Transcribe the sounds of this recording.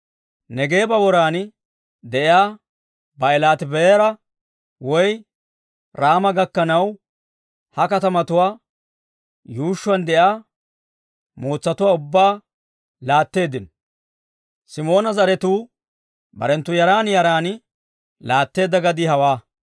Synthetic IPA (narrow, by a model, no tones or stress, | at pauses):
nɛɡe̞ːbɐwɔɾaːn | d̪ɛʔɪjaː | bɐɛlaːt̪ɪbɛeːɾɐ | wɔj | ɾaːmɐɡɐkːɐnɐw | hɐkɐt̪ɐmɐt̪ʊwaː | juːʃːʊwɐnd̪ɛjaː | moːt͡sːɐt̪ʊwaːʊbːaː | laːt̪ːe̞ːd̪ɪn | sɪmo̞ːnɐzɐɾɛt̪uː | bɐ̰ɾɛnt̪ːʊjɐɾaːnjɐɾaːn | laːt̪ːe̞ːd̪ːɐɡɐd̪ɪhɐwaː